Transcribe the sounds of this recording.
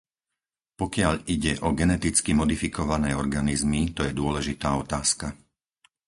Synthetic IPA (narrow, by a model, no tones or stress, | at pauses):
pɔkɪaʎʔiɟɛʔɔɡɛnɛt̪it͡skimɔd̪ifikɔʋanɛːɔɾɡanizmit̪ɔjɛd̪ʊɔlɛʒit̪aːɔt̪aːska